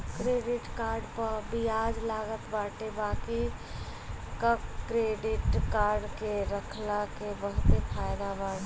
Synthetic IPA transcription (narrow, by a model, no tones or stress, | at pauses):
kɾeːɖɪʈkaːɾɖpəɾbijaːd͡ʒlaːɡət̪baːʈebaːki | kəkːɾeːɖɪʈkaːɾɖkeɾəkʰlakebəɦʊt̪epʰaːjd̪abaːʈ